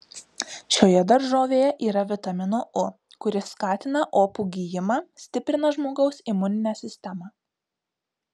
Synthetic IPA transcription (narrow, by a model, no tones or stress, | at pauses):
ʃʲoːjɛd̪ɐɾʒoːʋʲeːjɛʔiːɾɐʋʲɪt̪ɐmʲɪnoːʔʊ | kʊɾʲɪsːkɑːt̪ʲɪnɐʔoːpuːɡʲijɪmɑːsʲt̪ʲɪpʲɾʲɪnɐʒmoːɡɐʊsimʊnʲɪnʲæːsʲɪsʲt̪ʲɛmɑː